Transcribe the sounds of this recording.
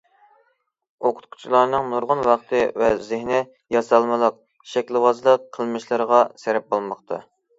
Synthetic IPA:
oqʰʊ̥t̪̚kʰu̥t͡ʃʰilˠɑɾnɨŋnuɾʁʊnwɑχt̪ʰɨvɛzɪhnɛ | jɑsɑlˠmɨlˠəq̚ | ʃɛkʲlˠɨwɑzlˠəq̚qʰəlˠmɨʃlˠɨɾəʁɑsɛɾɛp̚bolˠmɑqt̪ʰɑ̰

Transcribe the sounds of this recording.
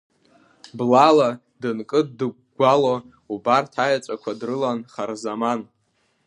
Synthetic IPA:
blala | dɨnkʼɨddɨ | ɡʷalo | ubartʰajat͡sʷʼakʷʰadrɨlanχarzaman

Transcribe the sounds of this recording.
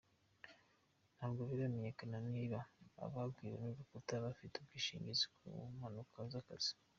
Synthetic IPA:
n̥haːbɡoβiβameɲekananiːβaa̰βabɡiːweniβukutaβafitubɡiːʃḭːɲɟizikṵmanukʰazakaz̥i̥

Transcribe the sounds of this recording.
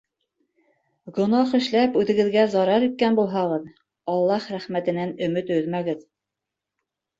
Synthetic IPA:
ɡŏnɑχɘ̆ʃlæpʉðɘ̆ɡɘ̆ðɡæzɑɾɑɾit̪̚kænbulˠɦɑʁɤð | ɑlˠːɑχɾæχmæt̪ɘ̆nænɵ̆mɘt̪ɵðmæɡɘð

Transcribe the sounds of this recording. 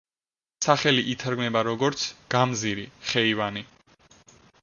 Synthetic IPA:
saχɛliʔit̪ʰaɾɡmɛbaɾɔɡɔɾt̪sʰɡ̥amziɾiχɛivani

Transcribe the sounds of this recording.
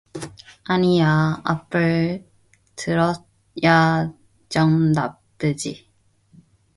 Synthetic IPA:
anijaa̰pɯɭ | tʰɯɾʌ | ja | d͡ʑʌŋnaptɯd͡ʑi

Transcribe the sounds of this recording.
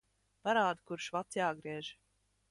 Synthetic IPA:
paɾaːd̪kuɾʃvat̪sjaːɡɾiɛʒ

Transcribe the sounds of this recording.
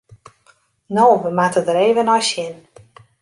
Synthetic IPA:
noːʋəmatədəɾeːvənɔjsjɪn

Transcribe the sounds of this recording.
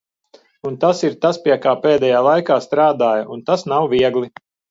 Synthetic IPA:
unt̪asiɾt̪aspiɛkaːpeːd̪ɛjaːlˠajkaːst̪ɾaːd̪aːjɐʔunt̪asnawviɛɡlˠi

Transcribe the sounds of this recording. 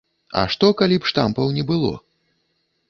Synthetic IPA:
ɐ̰ʂt̪ɔkalʲipʂt̪ampɐwnʲɛbɨlˠɔ̰

